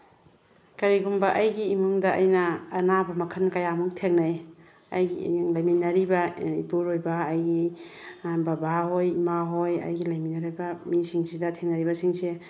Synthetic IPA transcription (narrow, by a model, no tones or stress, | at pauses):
kɐɾiɡumbɐʔajɡiːmuŋdaajnɐːnabɐmɐkʰɐnkajamuŋtʰeŋnaj | ajɡiŋlajminɐɾibaibuɾojbaːjɡi | bɐbaɦojimaɦojɐ̰jɡilajminaɾojbɐmisiŋsidɐtʰeŋnɐɾibɐsiŋse